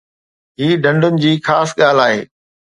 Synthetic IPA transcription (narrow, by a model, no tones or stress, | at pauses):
ɦiːɖʱɐ̃ɳɖʊnɪ̆d͡ʑiːxaːsɠaːlaːɦḛː